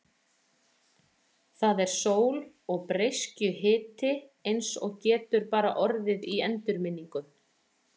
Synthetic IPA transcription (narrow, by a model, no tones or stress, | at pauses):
θaðɛɾ̥soːwl | ɔɣpɾejscʏɦɪːt̪ɪejnsɔɣcɛːt̪ʏɾpaːɾa̰ʔɔɾðɪðiɛnt̪ʏɾmɪnːiŋkʏn